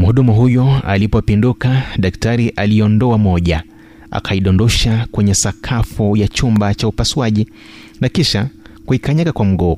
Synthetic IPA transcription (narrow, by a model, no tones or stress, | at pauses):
m̩huɗumuɦujɔa̰lipɔpindukaɗaktaɾiʔaliɔndɔamɔʄa | a̰kʰaiɗɔndɔʃakwɛɲɛsakʰafujat͡ʃumbat͡ʃaupaswaʄi | nakiʃakuikaɲakakwam̩ɠɔ